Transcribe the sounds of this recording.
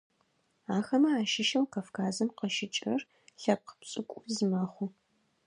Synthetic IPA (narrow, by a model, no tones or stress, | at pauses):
aːxɐmɐaːʃɪʃɐmqafkʰaːzɐmqəʃɪt͡ʃʼɐr | ɬɐp̚qə̥psʼɨkʷʼʊzɨmɐχʷu